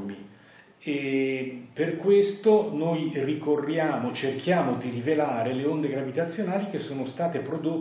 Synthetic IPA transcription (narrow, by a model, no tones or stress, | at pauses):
mi | e | perkwest̪onojrikorːjaːmot͡ʃerkʰjaːmod̪iɾivelaːɾeleond̪eɡɾavit̪at̪sːjonaːlik̟esːoːnost̪aːt̪epɾod̪o